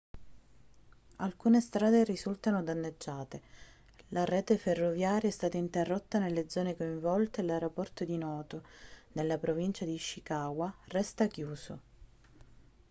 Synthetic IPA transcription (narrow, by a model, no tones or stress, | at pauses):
alkuːnest̪ɾaːd̪erisult̪anod̪anːed͡ʒːaːt̪e | larɛːt̪eferːovjaːɾjaɛst̪aːt̪aint̪erːot̪ːanelːed̪zɔːnekoiɱvɔlt̪elaeɾopɔrt̪od̪inɔːt̪onelːapɾovint͡ʃad̪iʃːikaːɡwarɛst̪akjuːso̰